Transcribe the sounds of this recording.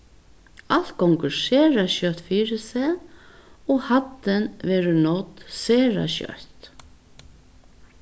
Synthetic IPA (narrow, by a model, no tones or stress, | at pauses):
al̥t̪̚kʰɔŋkʉʂeːɾaɕœt̪fiːɾɪsɛː | ɔhat̪ːənʋɛːɾənɔt̪seːɾa̰ɕœ̰ht̪